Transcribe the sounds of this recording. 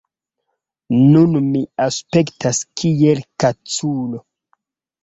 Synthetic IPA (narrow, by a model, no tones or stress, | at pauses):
nunmiaspe̞ktaskʰielkat͡sulo